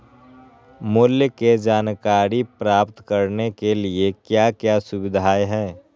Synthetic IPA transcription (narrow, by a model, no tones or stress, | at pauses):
mʊːljəked͡ʒaːnkaːɾipɾaːpt̪kɐɾnekeliekjaːkjasʊbɪd̪ʱaːjɦɛː